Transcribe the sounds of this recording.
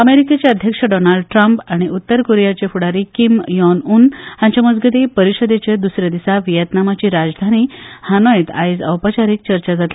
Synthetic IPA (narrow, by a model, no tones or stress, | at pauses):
əmeɾiket͡ɕjaəd̪ʱjəkʂəɖɔnaɭɖʈɾampaɽ̃iʔut̪ːəɾkoɾijat͡ɕefuɽaɾikimjɔnunjãɲt͡ɕaməd͡zɡəd̪ipəɾiɕəd̪et͡ɕed̪usɾjad̪isaʋijət̪namat͡ɕiːɾad͡zd̪ʱaniːhanəjet̪a̰jd͡zə̰wpət͡ɕaɾiːk̚t͡ɕəɾt͡ɕad͡zat̪li